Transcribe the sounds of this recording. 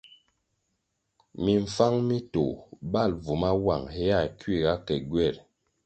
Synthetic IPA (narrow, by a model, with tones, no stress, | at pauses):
mi˨ɱ̩˨fa˦ŋmi˦to̰˨ba˦˨lvu˨ma˦wa˨ŋhɛ˦a˦˨kɥi˦˨ɡa˦kɛ˨ɡɥɛ˦˨ɾ